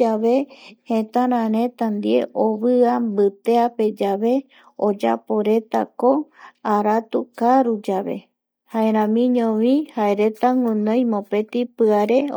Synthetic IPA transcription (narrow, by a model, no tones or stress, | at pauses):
aʋe̞hẽt̪ãɾ̃ãɾẽ̞t̪ãnd̪ie̞̰ʔoβɨambɨt̪eape̞d͡ʒaʋe̞ | od͡ʒa̰po̞ɾe̞t̪a̰ko̞aɾat̪ukaɾud͡ʒaβe̞̰ | haeɾ̃ãmĩɲõʋĩhaeɾe̞t̪aŋũnõjmõpe̞t̪ipɨaɾe̞